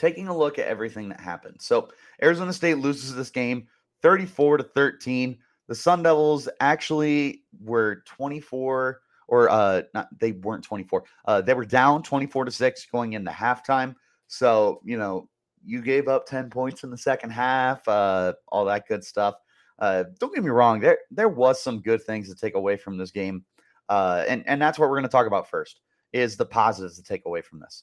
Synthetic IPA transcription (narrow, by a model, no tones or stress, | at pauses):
tʰeɪkɪ̃ŋəlʊkɨɾʔɛ̰vɹiθɪ̃ŋðɨ̰t̚hæ̰pɨ̰̃n̩d̥soʊ | ʔɛɹɨzõʊ̃nəsteɪtˡlʉzɨzðɪsɡ̥ẽɪ̃m | θɜ˞ɾifɔɹɾɨθɜ˞tʰĩn | ðɨsʌ̃ndɛvl̩ˠzʔæk̚t͡ʃul̩ˠiwə˞tʰw̥ɛ̃ɾ̃ifɔɹ | ʔə˞ʔʌnə̰t̚ðeɪwɜ̃˞ntʰw̥ɛ̃ɾ̃ifɔɹ | ʔʌðeɪwə˞dãʊ̃ntʰw̥ɛ̃ɾ̃ifɔɹɾɨsɪksɡ̥oʊɪ̃ŋɨ̃nɨ̰hæftʰãɪ̃m | soʊjɨnoʊ | jɨɡeɪvʌp̚tʰɛ̃npʰɔ̃ɪ̃ntsn̩ðəsɛkɨ̃n̩d̚ɦæfʌʔɔ̰lˠðət̚ɡ̥ʊd̥stʌf | ʔʌd̥õʊ̃nɡ̥ɪvmiɹɔ̃ŋðə˞ðə˞wʌz̥sʌ̃mɡʊd̪̚θɪ̃ŋz̥tʰətʰeɪkəweɪfɹʌ̃mðɪs̬ɡ̥ẽɪ̃m | ʔʌɨ̰̃nʔɨ̰̃nðætswʌt̚wɪəɹɡʌnətʰɔkəbaʊtfɜ˞st | ɪzðəpʰɑzəɾɨv̥tʰətʰeɪkəweɪfɹʌ̃m̩ðɪ̰s